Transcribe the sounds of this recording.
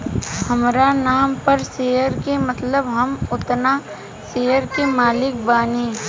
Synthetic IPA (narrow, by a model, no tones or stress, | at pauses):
hɐmɾanaːmpɐɾseːjəɾkemɐt̪ləbɦɐmʊt̪na | seːjəɾkemaːlɪk̚baːneː